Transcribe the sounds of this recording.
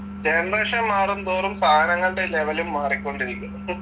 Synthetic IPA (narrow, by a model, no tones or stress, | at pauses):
end̪ɐɐʂɐmːaːrund̪oːrumpaːnɐŋːɐɭuɽeleʋɐlumːaːrikʲːo̞ɳɖiɾikʲːum